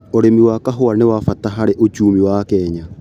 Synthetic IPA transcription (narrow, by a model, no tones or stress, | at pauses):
oɾemiwakaɦoanewafataɦaɾeʔot͡ʃuːmiwakɛɲa